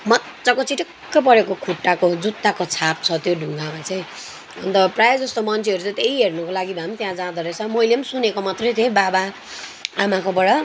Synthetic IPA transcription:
mʌ | t͡sʌkot͡siʈʌkːʌpʌɾekokʰuʈːakod͡zut̪ːakot͡sʰap̚t͡sʰʌt̪joɖʱuŋɡamat͡sʌj̃ | ʌ̰nt̪ʌprajed͡zʌst̪omʌnt͡sʰeʌɾut͡sʌ̃t̪eiɦernʌkolaɡibʱamt̪jãd͡zãd̪ʌɾʌt͡sʰʌmʌjleʌmsunekomat̪rʌjt̪ʰjebaba | amakobʌɽa

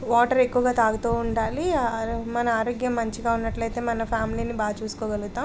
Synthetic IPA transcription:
ʋaːʈɐɾe̞kːuʋɐɡaːt̪aːɡɐt̪uuɳɖaːlimɐnɐaːɾoːɡjɐmːɐɲt͡ʃiɡaːunːɐʈlɐjt̪eːmɐnɐpʰjaːmiliːnibaːt͡ʃuːsu̥koːɡɐluɡut̪ːaː

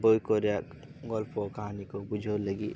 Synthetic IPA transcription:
bojkɔɾjak | ɡɔlpʰɔkaɦanikobud͡ʒʱoləɡi

